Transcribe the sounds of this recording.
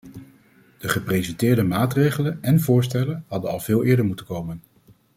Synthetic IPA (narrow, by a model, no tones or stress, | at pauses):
d̥əχəprejzɛntɪːɹdəmaːtrejχələnɛnvʊːɹstɛlənɦɑdənɑlˠvɪːlˠɪːɹdəɹmutəkowmən